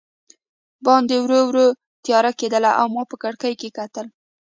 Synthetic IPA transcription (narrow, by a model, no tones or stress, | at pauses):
bɑnd̪ewɾowɾo | t̪jɑɾaked̪əlaʔawmɑpəkaɽkəjkekat̪əl